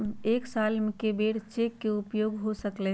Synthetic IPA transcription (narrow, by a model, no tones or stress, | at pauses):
eːksaːlm̃kebeːɽt͡ʃeːkːeʊpjoːɡɦosəkle